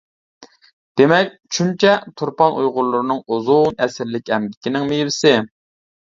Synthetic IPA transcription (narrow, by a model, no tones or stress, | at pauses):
d̪̥emɛkʲʃunt͡ʃʰɛt̪ʰuɾpɑnʔujʁʊɾlˠʊɾɨnɨŋuzunɛsɪɾlɪkʲɛmd̪ɪkʲinɪŋmejbɪsɪ